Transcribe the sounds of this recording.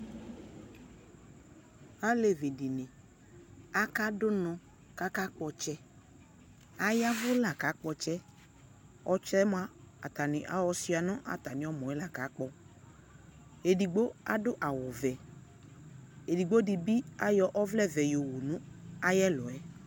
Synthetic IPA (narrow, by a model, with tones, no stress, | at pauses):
a˦le˨vi˨di˨nɪ̃˨ | a˦ka˦dʊ˦nɔ̃˨ | ka˦ka˦k͡pɔ˧t͡ʃɛ˦ | a˨ja˦vʊ˦la˨ka˨˦k͡pɔ˧t͡ʃɛ˦ | ɔ˦t͡ʃlɛ˦m˦a˦a̰˨ta˨nɪ̃˨ʔa˨wɔ˧sɪ˦a˨nɔ̃˦ʔa̰˨ta˨nɪ̃˨ɔ˦mɔ̃˨ɛ˦la˨ka˨˦k͡pɔ˨ | e˨di˨ɡ͡bo˦a̰˦dʊ˦ʔa˨wʊ˨vɛ˨ | e˨di˨ɡ͡bo˦di˨bi˦a˦jɔ˦ʔɔ˦vlɛ˦vɛ˨jo˨wu˨nʊ̃˦a˦jɛ˦lɔ˨ɛ˦